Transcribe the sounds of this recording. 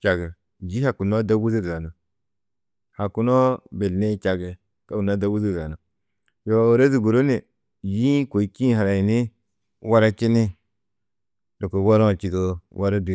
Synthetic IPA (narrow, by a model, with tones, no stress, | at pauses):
t͡ʃa˨ɡe˨ | d͡ʒi˦ha˨ku˨no˦da˦wu˦zi˦ɾza˨no˨ | ha˨ku˦no˦be˨lne˦t͡ʃa˨ɡe˨ | ka˦ku˨na˦da˦wu˦zi˦ɾza˨no˨ | jo˨˦˨wo˨ɾa˦zi˨ɡu˨ɾo˦ne˨ | ji˦ko˨i˨kĩ˦˨ɦa˨ɾa˨i˨ne˦ | wa˦ɾa˦t͡ʃi˦ni˦ | do˨ko˨wa˦ɾo˦˨t͡ʃi˨ɡo˦wa˦ɾa˦du˨